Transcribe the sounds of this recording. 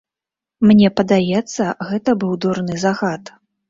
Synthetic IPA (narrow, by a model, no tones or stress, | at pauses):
mnʲɛpɐd̪ajɛt̪sːɐɣɛt̪ɐbɨwd̪urnɨzaɣat̪